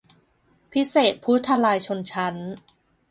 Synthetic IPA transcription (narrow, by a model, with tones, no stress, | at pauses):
pʰi˦˥seː˨˩t̪̚pʰu˦˥t̪ʰːa˧laː˧jt͡ɕʰo˧nt͡ɕʰa˦˥n